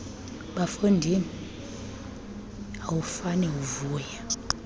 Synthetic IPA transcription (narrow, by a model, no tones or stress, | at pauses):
ɓafondʱini | awufanɛuvuːja